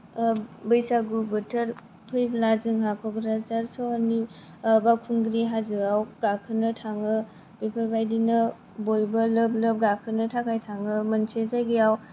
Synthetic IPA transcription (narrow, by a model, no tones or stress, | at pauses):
bɯjsaɡubɯtʰəɾ | pʰɯjblazɯŋɦakʰɔɡɾazaɾsɔni | bakʰuŋɡɾiɦazɯawɡakʰɯnɯtʰaŋɯ | bepʰɯɾbajdinɯ | bojbɐlɯb̚lɯp̚ɡakʰɯnɯtʰakʰajtʰaŋɯmənsezaɡiaw